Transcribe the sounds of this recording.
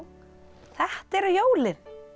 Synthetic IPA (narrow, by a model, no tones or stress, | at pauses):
θɛht̪ɛɾʏjoːwlɪɾ̥